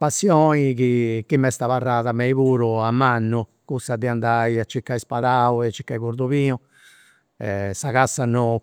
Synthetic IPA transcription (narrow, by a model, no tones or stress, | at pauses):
pasːjɔːnikikimːɛst̪aβarːaːðamɛiβuːɾuamːanːu | kusad̪iand̪aiat͡ʃːikːaispaɾaːuɛat͡ʃːikːaiβuɾd̪uβiːnu | ɛsaɣasːanːɔ